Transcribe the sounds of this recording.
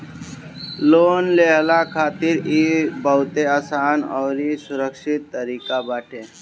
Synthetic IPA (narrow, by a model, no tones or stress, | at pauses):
loːnleɦlakʰaːt̪iɾibəɦʊt̪eaːsaːnɔːɾisʊɾəkʃɪt̪ːəɾiːkabaːʈʰeː